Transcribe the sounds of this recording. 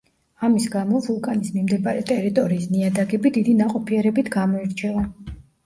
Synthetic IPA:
amisɡamɔvulˠkʼanismimd̪ɛbaɾɛt̪ʼɛɾit̪ʼɔɾiːsniad̪aɡɛbid̪id̪inaqʼɔpʰiɛɾɛbit̪ʰɡamɔiɾt͡ʃʰɛlˠa

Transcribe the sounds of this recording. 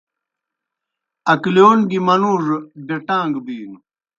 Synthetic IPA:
ɐkljoːnɡimɐnuːʐbeʈãːŋɡbiːnu

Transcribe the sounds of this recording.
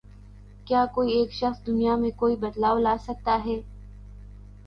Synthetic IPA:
kjaːkoːieːkʃɐxsd̪ʊnijamẽkoːibɐd̪laːolaːsɐk̚t̪aɦɛː

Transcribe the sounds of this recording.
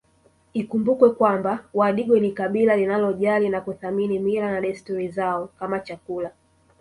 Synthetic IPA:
ikumbukwɛkwambawaɗiɡwɛnikaɓilalinalɔʄalinakuθaminimiɾanaɗɛstɔɾizaɔkamat͡ʃakula

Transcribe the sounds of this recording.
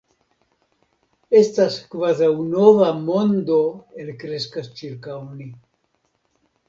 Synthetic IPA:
e̞staskvazawno̞vamo̞nd̪o̞elkɾe̞skast͡ʃiɾkawni

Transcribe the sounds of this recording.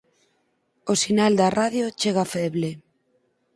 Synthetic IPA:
osinald̪araðjot͡ʃeɣafɛβle

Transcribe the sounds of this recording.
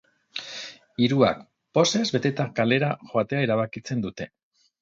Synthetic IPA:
iɾua̰k | po̞se̞zβe̞t̪e̞t̪akale̞ɾaxo̞at̪e̞aeɾaβ̞akit͡se̞nd̪ut̪e̞

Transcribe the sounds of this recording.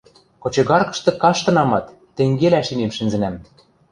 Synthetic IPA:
kŏt͡ɕɤ̆ɣɑrkɤ̆ʃt̪ɤ̆kɑʃt̪ɤ̆nɑmɑt̪ːĕŋɡelæʃinemʃɘ̆nzɘ̆næm

